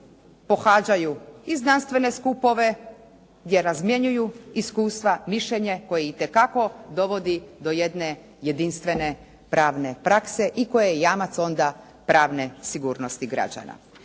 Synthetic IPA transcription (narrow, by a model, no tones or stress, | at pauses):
po̞xaːd͡ʑajuiznanst̪ʋe̞ne̞skupo̞ʋe̞ | ɡd̪je̞ɾazmje̞ɲujuiskuːst̪ʋamiʃʎeɲeko̞jeit̪e̞kako̞d̪o̞ʋo̞d̪id̪o̞je̞d̪ne̞ | je̞d̪inst̪ʋe̞ne̞ | pɾaːʋne̞pɾakse̞ʔiko̞jejejaːmat̪so̞nd̪a | pɾaːʋne̞siɡuːɾno̞st̪iɡɾa̰d͡ʑa̰na̰